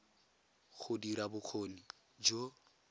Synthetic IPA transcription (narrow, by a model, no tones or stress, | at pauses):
χʊdiɾabʊk͡xʰoːni | d͡ʒo